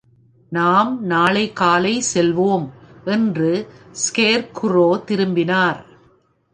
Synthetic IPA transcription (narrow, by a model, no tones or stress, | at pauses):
naːmnaːlɐɪkːaːlɐɪsɛlʋoːmʔɛndrɯskeːɾkʊroːt̪ɪɾɯmbɪnaːɾ